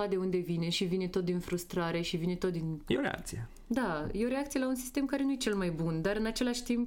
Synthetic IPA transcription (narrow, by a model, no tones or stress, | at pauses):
ad̪e̞und̪e̞vine̞ʃivine̞t̪o̞t̪̚d̪infɾust̪ɾaɾe̞ʃivine̞t̪ot̪̚d̪injeoɾea̰k̚t̪sie | d̪ajeo̞ɾe̞akt̪sijelaunsi̥st̪e̞mkaɾe̞nuje̞t͡ʃe̞lmajbund̪aɾɨnat͡ʃe̞laʃt̪imp